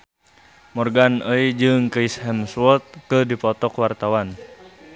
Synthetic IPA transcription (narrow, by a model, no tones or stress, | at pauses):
mɔrɡanəid͡ʒɨŋkəishɛmswɔt̪̚kədipɔt̪ɔkwart̪awan